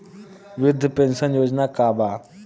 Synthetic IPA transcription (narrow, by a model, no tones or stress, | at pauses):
ʋɪd̪ʱːpẽnsənjoːd͡ʒnakaːbaː